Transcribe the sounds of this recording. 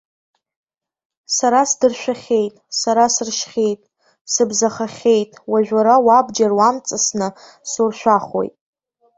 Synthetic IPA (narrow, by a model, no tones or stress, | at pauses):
saɾasdɨrʃᶣaχʲe̞jtʼsaɾasɨrʃχʲe̞jtʼ | sɨbzaχaχʲe̞jtʼwaʒᶣaɾawabd͡ʒarwamt͡sʼɨsnɨ | surʃᶣaχo̰jtʼ